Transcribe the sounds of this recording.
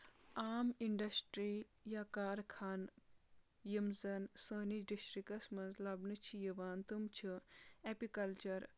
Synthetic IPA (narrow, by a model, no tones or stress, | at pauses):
aːmiɳɖɐsʈɾiːjakaːɾkʰaːn | jimzɐnsəːnid͡ʒɖiʃɾikɐsmɐnzlɐbnɨt͡ʃʰijiʋaːnt̪umt͡ʃʰiepikɐlt͡ʃɐɾ